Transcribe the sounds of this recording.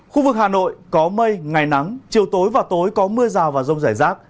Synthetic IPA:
xu˧vɨ˨˩k̚haː˨˩no̰˧˨jkɔ˨˦mə˧jŋa˨˩jna˨˦ŋt͡ɕi˨˩əwt̪o˨˦jvaː˨˩t̪o˨˦jkɔ˨˦mɨ˧əzaː˨˩wvaː˨˩zə˧wŋ͡mzaː˧˩jzaː˦˥k̚

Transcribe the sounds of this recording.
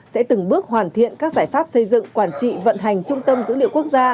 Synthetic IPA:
sɛ̰˧˥t̪ɨ˨˩ŋɓɨ˦˥ək̚ɦwaː˨˩nt̪ʰḭ˧˨ənkaː˦˥k̚zaː˧˩jfaː˦˥p̚sə˧jzɨ̰˧˨ŋkwaː˧˩nt͡ɕḭ˧˨və̰˧˨nɦa˨˩jŋ̟t͡ɕʊ˧ŋ͡mt̪ə˧mzɨ̰˧˥li˧əwku˦˥ək̚zaː˧

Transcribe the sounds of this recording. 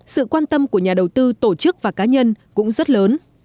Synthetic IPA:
sɨ̰˧˨kwaː˧nt̪ə˧mku˧˩əɲaː˨˩ɗə˨˩wt̪ɨ˧t̪o˧˩t͡ɕɨ˦˥k̚vaː˨˩kaː˨˦ɲə˧nkʊ̰˧˥ŋ͡mzə˦˥t̚ləː˨˦n

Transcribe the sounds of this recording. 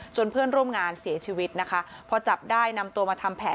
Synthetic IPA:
t͡ɕo˧npʰɯ˥˩ənɾu˥˩əmŋaː˧nsi˩˦ɐt͡ɕʰiː˧wi˦˥t̪̚na˦˥kʰa˦˥ | pʰɔ˧t͡ɕa˨˩p̚daː˥˩jna˧mt̪u˧əmaː˧t̪ʰa˧mpʰɛː˩˦

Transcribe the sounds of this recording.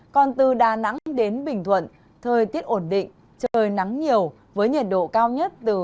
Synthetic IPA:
kɔ˨˩nt̪ɨ˨˩ɗaː˨˩na̰˧˥ŋɗe˨˦nɓï˨˩ŋ̟t̪ʰwə̰˧˨n | t̪ʰəː˨˩jt̪i˦˥əp̚ʔo˧˩nɗḭ˧˨ŋ̟ | t͡ɕə˨˩jna˨˦ŋɲi˨˩əw | vəː˨˦jɲə˨˩t̚ɗo̰˧˨kaː˧wɲə˦˥t̚t̪ɨ˨˩

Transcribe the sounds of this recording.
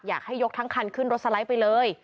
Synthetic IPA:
ja̰ː˨˩k̚ha˥˩jo˦˥t̪ʰa˦˥ŋkʰa˧nkʰɯ˥˩nɾo˦˥t̪sa˧la˦˥jpa˧jlɤː˧j

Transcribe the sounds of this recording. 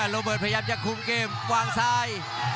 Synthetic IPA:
ɾoː˧bɤː˨˩t̚pʰa˧aː˧mt͡ɕa˧˨˩kʰːu˧mkeː˧˩mkwaː˧˩ŋsaː˧j

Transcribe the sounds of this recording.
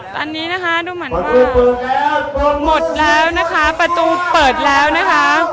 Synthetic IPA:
t̪ɔ̰ː˧nːiː˦˥na˦˥kʰa˦˥duː˧mɯ˨˦k | mo˨˩t̪̚lɛː˦˥wna˦˥kʰa˦˥pɾa˧t̪uː˧pɤː˨˩t̪̚lɛː˦˥wna˦˥kʰa˦˥

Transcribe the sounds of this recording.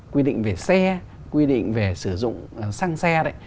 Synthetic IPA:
kwi˧ɗḭ˧˨ŋ̟ve˨˩sɛ˧ | kwi˧ɗḭ˧˨ŋ̟ve˨˩sɨ˧˩zʊ̰˧˨ŋ͡msa˧ŋsɛ˧ɗa˧˦j

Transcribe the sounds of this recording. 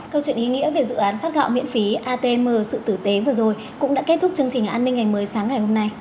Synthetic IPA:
kə˧wt͡ɕwḭ˧˨ənʔi˨˦ŋḭ˧˥ve˨˩zɨ̰˧˨ʔaː˨˦nfaː˦˥t̚ɣa̰ː˧˨wmḭ˧˨ənfi˨˦ʔaː˧t̪e˧məː˧˩sɨ̰˧˨t̪ɨ˧˩t̪e˨˦vɨː˨˩əzo˨˩j | kʊ̰˧˥ŋ͡mɗa̰ː˧˥ke˦˥t̪ʰʊ˦˥k͡p̚t͡ɕɨ˧əŋt͡ɕï˨˩ŋ̟ʔaː˧nːi˧ŋ̟ŋa˨˩jməː˨˦jsaː˨˦ŋːa˨˩jho˧mna˧j

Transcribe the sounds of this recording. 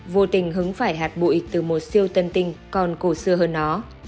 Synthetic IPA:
vo˧t̪ï˧˩ŋ̟ɦɨ˨˦ŋfaː˧˩jɦaː˨˩t̚ɓṵ˧˨ʔi˨˦˩k̚t̪ɨ˨˩mo˨˩t̚si˧əwt̪ə˧nt̪ï˧˩ŋ̟kɔ˨˩nko˧˩sɨ˧əɦəː˧nːɔ˨˦

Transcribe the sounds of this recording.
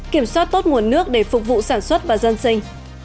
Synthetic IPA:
ki˧˩əmswaː˦˥t̚t̪o˦˥t̚ŋu˨˩ənːɨ˦˥ək̚ɗe˧˩fʊ˨˩k͡p̚vṵ˧˨saː˧˩nswə˦˥t̚vaː˨˩zə˧nsï˧ŋ̟

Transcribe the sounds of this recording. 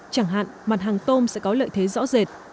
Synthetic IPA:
t͡ɕaː˧˩ŋɦa̰ː˧˨nma˨˩t̚ɦaː˨˩ŋt̪o˧msɛ̰˧˥kɔ˨˦lə̰ː˧˨jt̪ʰe˨˦zɔ̰˧˥ze˨˩t̚

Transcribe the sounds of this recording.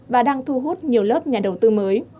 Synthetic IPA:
vaː˨˩ɗaː˧ŋt̪ʰu˧ɦu˦˥t̚ɲi˨˩əwlə˦˥p̚ɲaː˨˩ɗə˨˩wt̪ɨ˧məː˨˦j

